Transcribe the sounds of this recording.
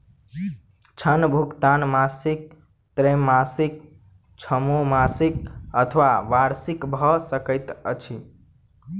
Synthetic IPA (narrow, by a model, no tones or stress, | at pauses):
t͡ʃʰənbʱukt̪anmasik̚ | t̪ɾemːasik | t͡ʃʰəmomasik̚ət̪ʰəʋaʋaɾsikbʱɔsəkəɪt̪ə̰t͡ʃʰi